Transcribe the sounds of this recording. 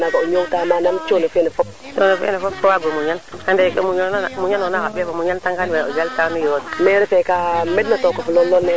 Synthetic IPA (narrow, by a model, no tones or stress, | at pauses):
nakaoɲowtamanamt͡ʃonofinefɔp | t͡ʃonofḭnefopfoaɡomuɲankandekemuɲonanamuɲanonakabebomuɲantaŋkanwɛod͡ʒaltanijodmɛɾɛfɛkamɛdnatɔkɔfulɔlːɔnːɛ